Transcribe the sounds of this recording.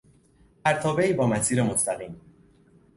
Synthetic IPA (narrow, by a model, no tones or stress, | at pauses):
pʰæɾt̪ʰɒːbeiːbɒːmæsiːɾemost̪æɣiːm